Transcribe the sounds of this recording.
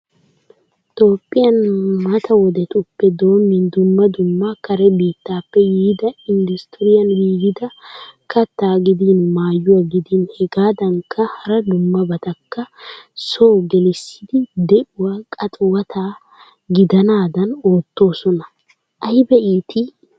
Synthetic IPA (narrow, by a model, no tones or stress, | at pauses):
t̪ʼo̞ːpʼːɪjɐnmɐt̪ʰɐwɔd̪ɛt̪ʼʊpːɛd̪o̞ːmːɪnd̪ʊmːɐd̪ʊmːɐkɐɾɛbiːt̪ːaːpːɛjiːd̪ɐɪnd̪ʊst̪ɪɾɪjɐnjiːɡɪd̪ɐkɐt̪ːaːɡɪd̪inmaːjːʊwɐɡɪd̪inhɛɡaːd̪ɐŋkːɐhɐɾɐd̪ʊmːɐbɐt̪ɐkːɐsoːɡɛlɪsːɪd̪ɪd̪ɛʔʊwaːkʼɐt̪ʼʊwɐt̪ʰaː | ɡɪd̪ɐnaːd̪ɐno̞ːt̪ːo̞ːsɔnɐ | ʔɐjbɛʔiːt̪ɪ